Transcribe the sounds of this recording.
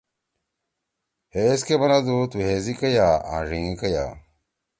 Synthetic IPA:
heskebɐnad̪ut̪uɦeːzikɐjaːã̰ːʐiŋikɐja̰

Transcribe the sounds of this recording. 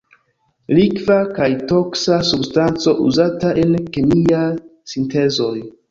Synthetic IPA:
likvakajto̞ksasubstant͡so̞ʔuzataʔe̞nkemiasinte̞zo̞j

